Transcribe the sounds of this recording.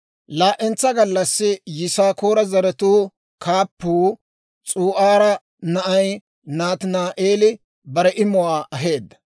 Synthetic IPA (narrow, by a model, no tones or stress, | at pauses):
laːʔɛnt͡sːɐɡɐlːɐsːɪjɪsaːkoːɾɐzɐɾɛt̪uː | kaːpːuː | t͡sʼuːʔaːɾɐ | nɐʔɐj | naːt̪ɪnaːʔeːlɪ | bɐɾɛʔɪmʊwaːʔɐɦe̞ːd̪ːɐ̥